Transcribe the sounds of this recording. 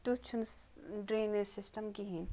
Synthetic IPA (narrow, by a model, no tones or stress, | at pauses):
t̪ut͡ʃʰunɖɾeːnisɪsʈɐmkiɦĩn